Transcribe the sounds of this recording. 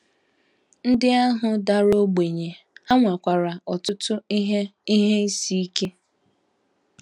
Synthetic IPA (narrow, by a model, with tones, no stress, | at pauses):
n̩˦dɪ˦a˦ɦʊ˨da˨ɾo˦ɡ͡be˨ɲe˨ | a˦ŋʷa˨kʷa˨ɾa˨ɔ˨tʊ˦tʊ˦ɦi˦ɦe˦i˦si˦i˦ke˦